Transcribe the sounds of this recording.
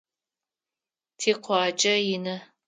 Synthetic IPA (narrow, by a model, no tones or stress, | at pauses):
tʰiːqʷɑːt͡ʃʼɐjɪnɐ